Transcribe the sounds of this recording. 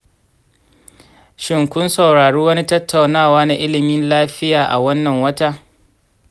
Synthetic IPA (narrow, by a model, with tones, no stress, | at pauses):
ʃɪ˨ŋkʷʊ˦nsɐ˨wɽaː˨ɽuː˦wɐ˦ni˦tɐ˦tʰːa˨wnaː˦˨waː˦na˨ʔɪ˦lɪ˨mɪ˦nlaː˦ɸɪ˦jaː˨ʔa̰˨wɐ˦nːɐ˨ŋwɐ˦ta˦ʔ